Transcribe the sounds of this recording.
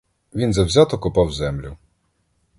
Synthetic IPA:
ʋʲinzɐwzʲat̪ɔkʊpɑwzɛmlʲʊ

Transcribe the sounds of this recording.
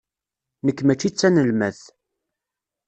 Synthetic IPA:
nəkːmæt͡ʃːit͡sːænəlmæθ

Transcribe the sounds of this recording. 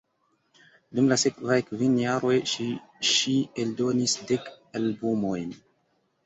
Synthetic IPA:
dumlasekvajkvinjaɾo̞jʃiʃieldo̞nisdek | albumojn

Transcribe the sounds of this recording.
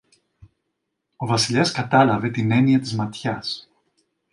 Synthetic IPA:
o̞vɐsiʎeskɐt̪ɐlɐve̞t̪ine̞niɐt̪izmɐt̪çɐs

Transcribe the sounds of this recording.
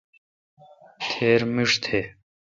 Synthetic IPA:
t̪ʰeːɾmiʂt̪ʰeː

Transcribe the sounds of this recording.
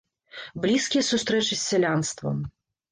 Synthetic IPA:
blʲiskʲijɐsust̪ɾɛt͡ʂɨsʲːɛlʲanst̪vɐ̰m

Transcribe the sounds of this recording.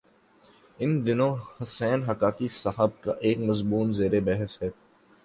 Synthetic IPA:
ɪnd̪ɪnõhʊsɛːnɦɐkaːkisɐɦəb̚ka̰ʔeːkmɐzbuːnzeːɾebɛɦəsɦɛː

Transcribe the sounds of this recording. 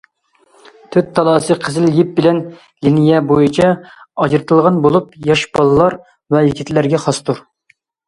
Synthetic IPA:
t̪ʰøt̪ʰːɑlˠɑːsɨqʰəzɪljip̚bɪlɛn | linɪjɛbojit͡ʃʰɑɑd͡ʒɾɨt̪ʰɨlˠʁɑnbolˠupjɑʃbɑlˠɨlˠːɑɾ | vɛjikʲʰit̪ʰlæɾɡʲɛχɑst̪ʰuɾ

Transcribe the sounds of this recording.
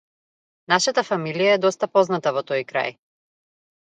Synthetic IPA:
naʃat̪afamilijaɛd̪ɔst̪apɔznat̪avɔt̪ɔjkɾa̰j

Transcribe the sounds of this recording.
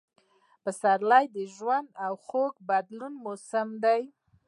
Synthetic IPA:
pəsaɾlɑjd̪əʒwand̪awxoɡbad̪lunmosamd̪aj

